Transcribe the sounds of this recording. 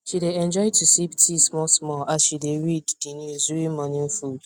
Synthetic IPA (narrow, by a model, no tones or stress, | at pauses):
ʃideɛ̃nd͡ʒɔɪdtʰusiptʰismɔsmɔʔasʃideɹiddinzuimɔ̃nĩfud